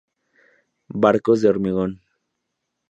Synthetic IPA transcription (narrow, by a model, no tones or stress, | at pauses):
baɾkoz̬d̪eoɾmiɣon